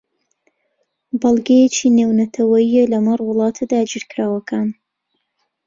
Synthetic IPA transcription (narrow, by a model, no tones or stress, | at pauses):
bɐlˠɡejet͡ʃiːneːwnɐt̪ʰɐwɐjijelɐmɐrwʊlˠɑːt̪ʰd̪aːd͡ʒiɾkɾaːwɐkʰaːn